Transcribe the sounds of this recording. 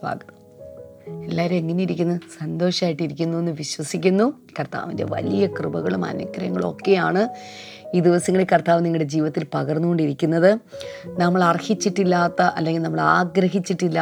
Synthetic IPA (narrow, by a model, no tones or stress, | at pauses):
bʱa̰ːɡɐt̪ː | elːaːɾumeŋːɐne̞jiɾikʲːunːɐsɐnd̪o̞ːʂɐmaːjiʈːiɾikʲːunːue̞nːɨʋiɕwɐsikʲːunːu | kɐrt̪a̰ːʋinde̞̰ʋɐ̰lijɐkrɨbɐɣɐɭumɐ̰nɐkːɐɾɐŋːɐɭo̞̰kːe̞jaːɳɨ | iːd̪iʋɐsɐŋːɐɭekɐrt̪aːʋniŋɐɭɽe̞d͡ʑiːʋɐt̪ːilpɐɣɐrnːuɣo̞ɳɖiɾikʲːunːɐðɨnɐmːɐɭɐrhit͡ɕːiʈːilːaːt̪ːɐʔɐlːe̞ŋɡilnɐmːɐɭaːɡɾɐɦit͡ɕːiʈːilːa